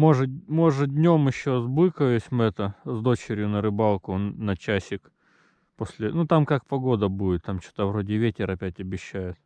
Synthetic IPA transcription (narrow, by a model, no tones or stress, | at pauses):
mo̞ʐɨmo̞ʐɨdʲnʲo̞mɪɕːo̞zbɨkəjʊsʲmɨɛt̪əzd̪o̞t͡ɕɪɾʲjʊnəɾɨbalˠkʊnɐt͡ɕæsʲɪk | posʲlʲɪnut̪amkak̚pɐɡo̞d̪əbuɪt̪ːamt͡ɕo̥t̪əvɾo̞dʲɪvʲetʲɪɾɐpʲætʲɐbʲɪɕːæjʊt̪